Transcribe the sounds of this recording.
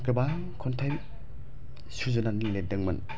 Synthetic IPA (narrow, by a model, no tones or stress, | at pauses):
kɯba | kʰɔntʰajm | suzunaniŋledɯŋmɐn